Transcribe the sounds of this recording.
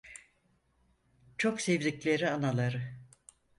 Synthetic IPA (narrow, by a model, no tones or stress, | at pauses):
t͡ʃʰo̞ksevd̪ʲiclʲeɾianalˠaɾɯ